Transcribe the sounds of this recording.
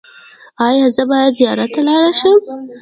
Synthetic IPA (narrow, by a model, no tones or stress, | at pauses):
ɑjɑzəbɑjad̪zijɑɾat̪ːalɑɾaʃəm